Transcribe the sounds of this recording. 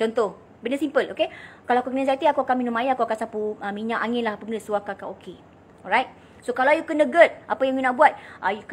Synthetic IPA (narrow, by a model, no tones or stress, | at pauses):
t͡ʃɔnt̪oh | bənəsimpəlokekalaakukənə̃sat̪iakuakanminɔmajaakuakansapuamiɲaʔaŋɪnlahapəɡənəsuakakaokʰe | ɔɹajt̚ | sokalawjukənəɡət̪̚ʔapəjãŋjunaʔbuat̪̚ʔajuk